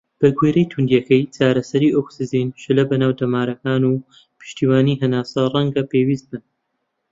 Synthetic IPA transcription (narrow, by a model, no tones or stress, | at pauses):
b̥ɐɡweːɾejt̪ʰund̪jɛkɐjt͡ʃaːɾɐsɐɾiːʔoksɨziːnʃɨlɐbɐnaːwd̪ɐmaːɾɐkaːnuː | pʰɨ̥ʃt̪iːwaːniːɦɐnaːsɐrˤɐŋɡɐpeːwiːst̪̚bɨn